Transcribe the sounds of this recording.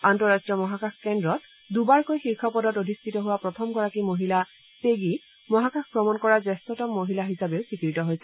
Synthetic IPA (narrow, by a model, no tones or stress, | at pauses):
antɔɹastɹiɔmɔɦakaxʰkɛndɹɔt | dubaɹkojxiɹkʰɔpɔdɔtodʱistʰitɔɦuwapɹɔtʰɔmɡɔɹakimoɦila | peɡi | mɔɦakaxpɹɔmɔnkɔɹazɛstɔtɔmːoɦilaɦisabeʊsikɹitɔɦojsɛ